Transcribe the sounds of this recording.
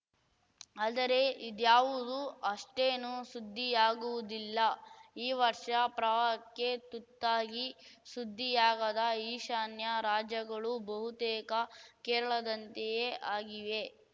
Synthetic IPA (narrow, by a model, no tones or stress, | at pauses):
aːd̪ɐɾe̞ʔid̪jaːʋud̪uɐʂʈeːnusud̪ʱːijaːɡuʋud̪ilːɐiːʋɐɾʂɐpɾɐʋaɐkːet̪ut̪ːaːɡisud̪ʱːijaːɡɐd̪ɐiːʃaːnjɐɾaːd͡ʒjɐɡɐɭubɐɦut̪ɛːkɐkɛːɾɐɭɐd̪ɐnt̪ejeʔaːɡiʋe